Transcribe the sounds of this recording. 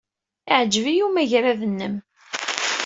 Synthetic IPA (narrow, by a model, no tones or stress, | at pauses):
iʕd͡ʒvijumæʝɾaðənːəm